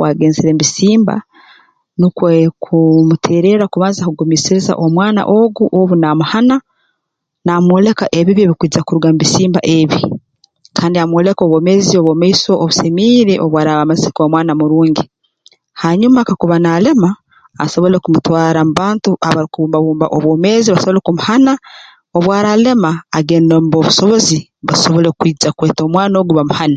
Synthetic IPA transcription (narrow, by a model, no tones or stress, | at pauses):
waːɡeːnziɾe̞mbisiːmba̰ | nukwekʰumutʰe̞ɾe̞ɾakuβazakuɡomisiɾiza̰ʔomwaːna̰ʔo̞ɡuʔoβunamuhana | namwole̞kaʔe̞βiβjeβikwiːzakuɾuɡambisiːmba̰ʔe̞βi | kʰaːndiamwo̞ːle̞ko̞ːβo̞me̞zioβwomaiso̞ʔoβusemiːɾeʔoβwaːɾaβamazikwomwaːnamuɾuːɲɡi | haɲumakakuβanale̞maː | so̞βo̞lekumutwaːɾamuβaːntuʔaβaɾikuβuːmbaβuːmba̰ʔoβwomeziβasoolekumuhana | oβwaːɾale̞maːɡe̞ːndomboβuso̞βo̞ziβusoβo̞lekwiːd͡zakweːto̞ːmwaːnoɡuβamuhana